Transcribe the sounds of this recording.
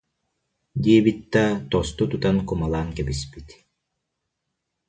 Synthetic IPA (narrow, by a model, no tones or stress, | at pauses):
d̪iɛbit̪̚d̪at̪ɔst̪ut̪ut̪ankumalˠaːŋkɛbispit̪